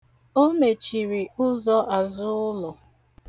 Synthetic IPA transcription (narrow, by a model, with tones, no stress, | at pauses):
o˦me˨t͡ʃi˨ɾi˨ʊ˦zɔ˦ʔa˨zʊ˦ʊ˦lʊ˨